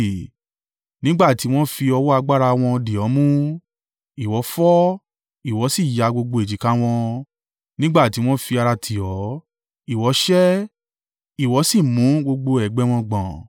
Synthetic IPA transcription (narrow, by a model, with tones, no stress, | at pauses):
nĩ˦ɡ͡ba˦˨ti˨˦w̃ɔ̃˦fi˧ɔ˧wɔ˦a˧ɡ͡ba˦ɾa˧w̃ɔ̃˧di˨ɔ˨˦mũ˦ | i˨wɔ˨˦fɔ˦ | i˨wɔ˨˦si˦˨ja˧ɡ͡bo˧ɡ͡bo˧e˨d͡ʒi˨˦ka˦w̃ɔ̃˧ | nĩ˦ɡ͡ba˦˨ti˨˦w̃ɔ̃˦fi˧a˧ɾa˧tʰi˨ɔ˨˦ | i˨wɔ˨˦ʃɛ˦ | i˨wɔ˨˦si˦˨mũ˨˦ɡ͡bo˧ɡ͡bo˧ɛ˨ɡ͡bɛ˦w̃ɔ̃˧ɡ͡bã˨